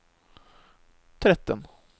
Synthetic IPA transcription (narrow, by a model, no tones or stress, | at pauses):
t̪ʰɾɛt̪ːə̰n